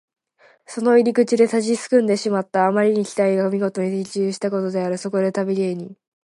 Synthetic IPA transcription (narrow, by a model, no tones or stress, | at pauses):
so̞no̞iɾʲikɯ̟t͡ɕid̪e̞t̪aʑisɨ̥kɯ̟̃nd̪e̞ɕimat̪ːaːmaɾʲiɲ̟ikʲi̥t̪aiɡaomʲiɡo̞t̪o̞ɲ̟it̪et͡ɕɨːɕi̥t̪ako̞t̪o̞d̪e̞aɾɯ̟so̞ko̞d̪e̞t̪abʲiɾʲieɲ̟i